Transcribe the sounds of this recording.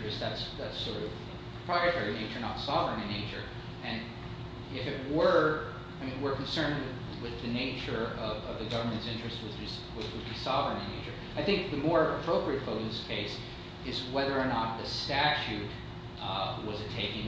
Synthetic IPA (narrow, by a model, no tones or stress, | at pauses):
ɹ̥ɨst̪̚ðætsðætsɔɹɾʌv̥ʰ | ə̥pʰɹ̥aɪɨtʰɛɹineɪt͡ʃə˞nətsɑvɹɨ̃nɨ̃neɪt͡ʃə˞ | ɨ̃n | ɪfɨt̚wə˞ | aɪmĩnwəɹkʰn̩sɜ̃˞nd̚wɨ | wɪðɨneɪt͡ʃə˞ʌvʌvðɨɡʌvə˞mɨ̃ntsɪ̃nt͡ʃɹ̥ɨst̚wʌzd͡ʒʌstwʌt͡ʃwɨd̚bisɑvɹə̃nɨ̃neɪt͡ʃə˞ | aɪθɪ̃ŋk̚ðɨmɔɹɨpʰɹ̥oʊpɹiɨtfoʊɨ̃nðɪskʰeɪs | ɨzwɛðə˞ːnət̪̚ðɨstæt͡ʃʉt̚ | wʌzɨtʰeɪkɪ̃ŋ